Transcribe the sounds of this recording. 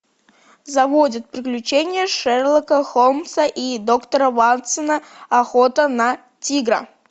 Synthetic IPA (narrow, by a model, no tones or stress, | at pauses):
zɐvodʲət̪̚pɾʲɪklʲʉt͡ɕenʲɪjəʂɛrlˠəkəxomsəʔid̪okt̪əɾəvant̪sənəɐxot̪ənɐ | tʲiɡɾə̰